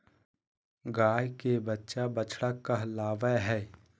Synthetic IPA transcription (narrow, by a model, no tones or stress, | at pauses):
ɡaːjkebɐtːʃabɐt͡ʃʰɽakːaɦlaːʋəɦɛː